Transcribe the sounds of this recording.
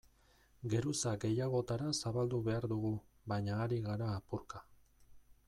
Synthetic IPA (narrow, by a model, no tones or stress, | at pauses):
ɡe̞ɾusaɡe̞jaɣ̞o̞t̪aɾasaβald̪uβe̞aɾðuɣuβajɲaːɾiɣaɾaːpuɾka